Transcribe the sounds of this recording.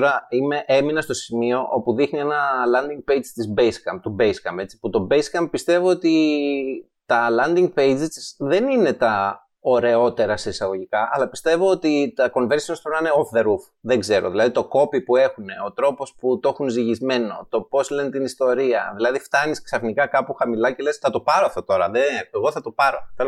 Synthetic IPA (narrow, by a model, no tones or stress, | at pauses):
ɾɐime̞ʔe̞minɐst̪o̞simio̞ʔopuðixnienɐlɐnd̪iŋɡ̚pejd͡zt̪izbejskɐm̚t̪ubejskɐmbe̞t͡si̥put̪o̞beskɐmpist̪e̞voot̪i | t̪ɐlɐnd̪iŋɡ̚pejd͡zisðe̞nine̞t̪ɐ | oɾe̞o̞t̪e̞ɾɐse̞isɐɣo̞ʝikɐʔɐ̰lɐpi̥st̪e̞vo̞ot̪it̪ɐko̞nve̞ɾsiost̪onɐineofðe̞ɾuf | ðeɡze̞ɾo̞̰ðilɐðit̪o̞ko̞pipue̞xune̞o̞t̪ɾo̞po̞sput̪o̞xunziʝizme̞no̞t̪o̞po̞sle̞net̪inist̪o̞ɾiɐðilɐðift̪ɐnisksɐfnikɐkɐpuxɐmilɐce̞le̞sθɐt̪o̞pɐɾofθot̪o̞ɾɐðeeɣo̞θɐt̪o̞pɐɾo̞θel